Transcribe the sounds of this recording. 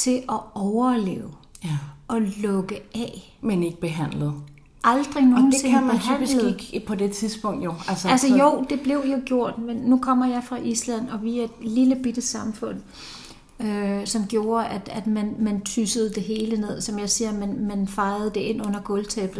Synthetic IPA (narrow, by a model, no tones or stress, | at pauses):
t͡sʰe̝ʔɒ̽ɒʊɐlḛːʊ | ʔɒ̽lɔ̽ɡ̥əɛ | mene̝ɡ̥əb̥e̝ɦæn̰lð̩ˠ | ʔɑ̈ld̥ʁino̝ːn̩t͡sʰe̝ŋmbeɦæn̰lðiɡ̥pʰɒ̽d̥et͡sʰiðˠsb̥ɔ̽ŋ̰d̥joælsəælsəjoʊ̰d̥e̝b̥le̝ʊjo̝ɡ̥jo̝ɐ̰d̥menːukʰɒ̽m̰ɐjɑ̈ɪfʁɑ̈ʔislæ̰nɒ̽ʋiæed̥liləb̥id̥əsɑ̈mfɔ̽n̰ | øsɒ̽mɡ̥jo̝ːɐʔæd̥æd̥mænmænt͡sʰysəð̩ˠd̥e̝ɦe̝ːləne̝ð̰ˠsɒ̽mjɑ̈ɪsiːɐmænmænfɑ̈ɪð̩ˠd̥e̝e̝n̰ɔ̽n̰ɐɡ̥ɔ̽lt͡sʰeb̥̩ˠ